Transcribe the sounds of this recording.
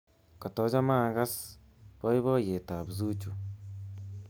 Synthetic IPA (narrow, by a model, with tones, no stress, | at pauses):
kɔ˨tɔ˨˦d͡ʒa˦ma˦˨ɡa˦s | bɔ˦jβɔ˦je˨ta˨bzu˦t͡ʃu˨